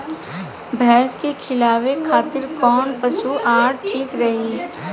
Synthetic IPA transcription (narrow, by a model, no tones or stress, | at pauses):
bʱɛːskekʰɪlaːwekʰaːt̪ɪɾkɔːnpɐsuʔaːɽʈʰiːkɾɐɦiː